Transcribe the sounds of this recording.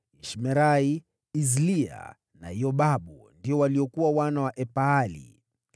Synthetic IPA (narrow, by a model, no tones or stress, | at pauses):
iʃmɛɾai | izlia̰ | na̰jɔɓaɓundiɔwaliɔkuwawanawaʔɛpaːlḭ